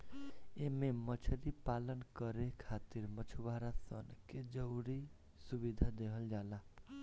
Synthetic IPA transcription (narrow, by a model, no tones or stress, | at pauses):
ememət͡ʃʰəɾipalənkəɾekʰat̪iɾmət͡ʃʰubʱaɾasə̰nked͡ʒəwɾi | subid̪ʱad̪eɦəld͡ʒala